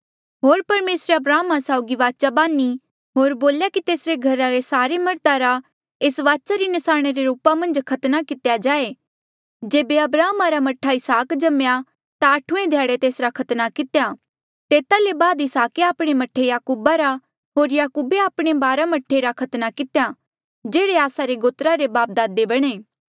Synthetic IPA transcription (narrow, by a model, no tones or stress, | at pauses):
ɦoːɾpɐɾmeːsɾeɐbɾaːmasaʊɡiʋaːt͡ʃabãːni | ɦoːɾboːljakit̪eːsɾeɡʱɐɾaɾesaːɾemɐɾt̪aɾa | eːsʋaːt͡ʃaɾinɪsaːɽ̃eɾeɾuːpamɐ̃nd͡ʒkʰɐt̪nakɪt̪jad͡ʒaːe | d͡ʒeːbeɐbɾaːmaɾamɐʈʰaɪsaːkd͡ʒɐmja | t̪aɐʈʰuẽd̪ʱjaːɽet̪eːsɾakʰɐt̪nakɪt̪eja | t̪eːt̪alebaːd̪ɪsaːkeaːpɽ̃emɐʈʰːejaːkuːbaɾa | ɦoːɾjaːkuːbeaːpɽ̃ebaːɾamɐʈʰːeɾakʰɐt̪nakɪt̪ja | d͡ʒeːɽeaːsaɾeɡoːt̪ɾaɾebaːp̚d̪aːd̪ebɐɽ̃eː